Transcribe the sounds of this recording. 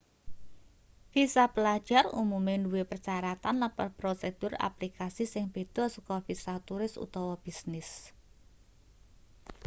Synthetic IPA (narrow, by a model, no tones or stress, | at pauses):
fisapəlad̥ʒ̥a̤rṵmumenduwepərt͡ʃaɾat̪anlapərpɾosed̪̥ʊra̰plikasisɪŋb̥e̤d̪̥ɔ̤sukɔfisat̪uɾɪsṵt̪ɔwɔb̥isnɪs